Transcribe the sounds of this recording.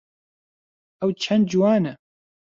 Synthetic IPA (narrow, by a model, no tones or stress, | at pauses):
ɛwt͡ʃʰɛnd̪̚d͡ʒuwaːnɛ